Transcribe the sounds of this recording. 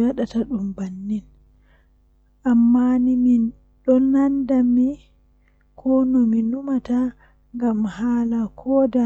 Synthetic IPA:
waɗataɗumbanːin | ʔamːanimin | ɗɔnandami | kʰɔnɔminumata | ŋɡamhaːlakʰɔːda

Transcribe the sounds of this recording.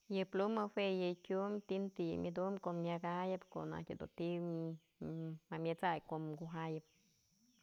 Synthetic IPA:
jɨplumɨwejɨkʲumt̪int̪imʲjɨd̪umkomjaɡajɨpko̰na̰kʲɨd̪ṵt̪i | mamʲjɨt͡sajkoɡuɦajɨp̚

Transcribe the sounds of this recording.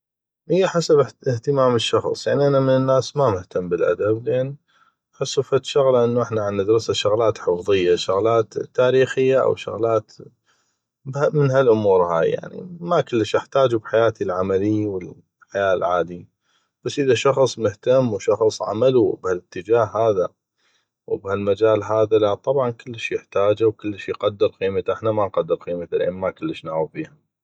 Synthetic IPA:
hɪjːaħasabɪht̪ɪmaːməʃːɑxsˤjaʕniʔanamɪnɪnːaːsmamʊht̪amːbəlʔa̰d̪ablʔeːn | aħɪsːufat̪ʃʊɣlaʔɪnːuʔɪħnaʕanːad̪ɑɾˤsaʃʊɣlaːt̪ħəfðˤɨjːaʃʊɣlaːt̪ːaːɾiːxɪjːaʔa̰wʃʊ̰ɣlaːt̪ | bamɪnɦalʔʊmuːɾha̰ːjːa̰ʕnḭmakʊlːəʃjɪħt̪aːd͡ʒubħajaːt̪ilʕamalɪjwɪl | ħajaːlʕaːd̪i | b̥asːʔɪðaʃɑxsˤmʊht̪amːwʃɑxsˤʕa̰malubhalɪt̪ːəd͡ʒaːhːaːða | wbhalmad͡ʒaːlɦaːðalaʔt̪ˤɑbʕɑnkɪlːʃjɪħt̪aːd͡ʒawkɪlːʃjqad̪ːɪɾqiːmat̪ʔɪħnamanqad̪ːɪɾqiːmat̪alʔḛnmakɪlːəʃnaːʕubiːha

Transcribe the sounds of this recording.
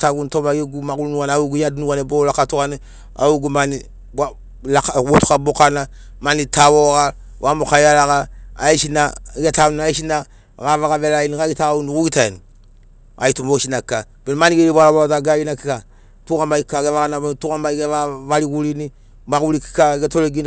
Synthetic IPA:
taɡuntomaɡeɡumaɡulunuwanawuɡujadnuwanebolakatukane | a̰uɡumani | ba | lakaotu̥kabokana | manitʰawoka | wʔamokajalakaːeʃinaiɡetaunaeʃina | kavaɡavelajinikaɡitaaunukuɡitaḛni | a̰itumoʃinaka | b̥enmaniɡeɾibalabataɡaɡinakika | tukamaikakevakanabetukamaiɡeavalikulini | maɡuɾiki̥kaɡetoɾeɡin

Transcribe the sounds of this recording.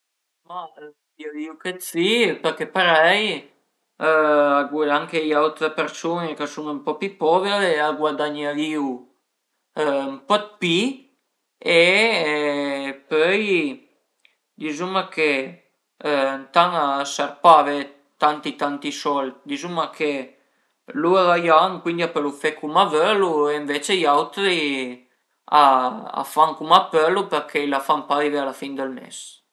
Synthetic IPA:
ma | d̪iaviwket̪sipəɾkepaɾɛj | aɡwad̪aŋkejaut̪ɾəpeɾsunekasuŋəmpɔpipɔveɾeaɡwad̪aɲaviw | mpɔt̪̚pi | e | pøj | d̪izumakʰe | nt̪aŋasaɾpave | t̪ant̪it̪ant̪isɔlt̪̚d̪izumakʰe | luaðajaŋkwind̪iapəlufekumavølueɱvet͡ʃejawt̪ɾi | aa̰faŋkumapølupəɾkʰeilafampavivealafind̪əlmḛs

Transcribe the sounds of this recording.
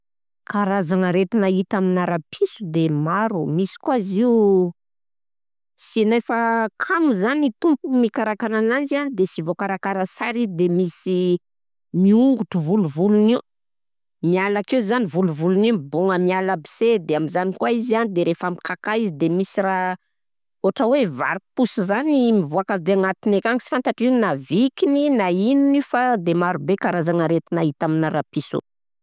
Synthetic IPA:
kaɾazanəɾet̪inaɦit̪aminaɾapʰisud̪emaɾumisi̥kuaziu | sinajfəkʰamuzanit̪umpumikaɾakananand͡ʒad̪esivokaɾakaɾasaɾizid̪emisi | miuŋɡuʈ͡ʂuvuluvuluni | mialakezanivuluvulunimibuŋəmialəbi̥sed̪eamizanikuaizianid̪eɾefamikakaizid̪emisiɾa | oʈ͡ʂəweva̰ɾipusizanimivoakazd̪eaŋat̪inekʲaŋisi̥fant̪aʈ͡ʂininavikininainunifad̪emaɾubekaɾazaŋəɾet̪inaɦit̪aminaɾapiso̰

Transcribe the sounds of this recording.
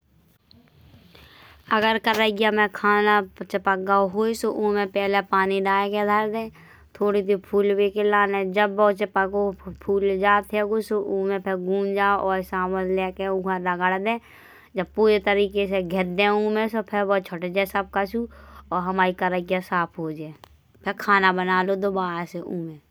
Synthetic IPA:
əɡəɾkəɾəɡjamẽkʰaːnat͡ʃəpəɡaɦoːisoʔuːmẽpɛːlepaːniɖaːeked̪ʱəɾd̪ẽː | t̪ʰoːɽid̪ipʰuːlweːkelaːnẽd͡ʒəbːɔːt͡ʃəpəɡopʰuːld͡ʒaːt̪ʰeɡoːsoʔũːmẽpʰɪɾɡũːnd͡ʒaːʔɔːɾsãːməllɛːkeuɡãɖəɡəɽd̪ẽː | d͡ʒəb̚puːɾet̪əɾiːkes̬eɡʱɛd̪ẽũːmẽsopʰɪɾbɔːt̪t͡ʃʰoʈed͡ʒasəb̚kat͡ʃuɔːɾɦɐmaːɾikəɾəkjasaːpʰɦoːd͡ʒaː | pʰɪɾkʰaːnabənaːlod̪obaːɾseũːmẽː

